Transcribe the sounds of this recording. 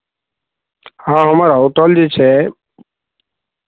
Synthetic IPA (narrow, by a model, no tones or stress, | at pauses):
ɦãːɦəmaːɾaːʊt̪əld͡ʒet͡ʃʰeː